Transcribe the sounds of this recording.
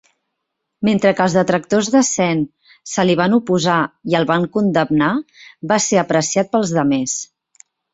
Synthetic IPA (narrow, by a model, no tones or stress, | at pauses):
ment̪ɾəkəlzðət̪ɾək̚t̪ozðəsɛn | səliβ̞anupuzaiəlˠβaŋkund̪əmnaβaseəpɾəsiat̪̚pəlˠzðəmes